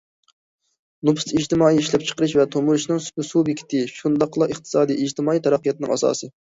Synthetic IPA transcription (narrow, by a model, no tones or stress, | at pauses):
nupʰsid͡ʒt̪ɪmɑːiiʃlɛp̚t͡ʃʰə̥qəɾɨʃvɛt̪ʰomuɾɨʃnɨŋssubikʲʰi̥t̪ʰɪʃund̪ɑqlˠɑəχt̪ʰɨ̥sɑːd̪ijid͡ʒt̪ʰɨmɑːijt̪ʰɛɾæqːijɑt̪̚ɨnɨ̰ŋʔɑsɑ̰ːsɨ